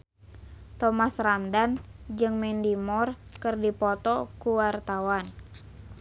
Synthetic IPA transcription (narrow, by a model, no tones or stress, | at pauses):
t̪ɔmasrandand͡ʒɨŋmɛndimɔr | kɨrdipɔt̪ɔkuwart̪awan